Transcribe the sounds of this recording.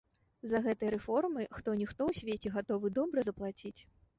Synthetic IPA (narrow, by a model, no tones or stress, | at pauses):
zɐɣɛt̪ɨjɐɾɛfɔrmɨxt̪ɔnʲixt̪ɔwsʲvʲet͡sʲɛɣat̪ɔvɨd̪ɔbɾɐzɐplˠat͡sʲit͡sʲ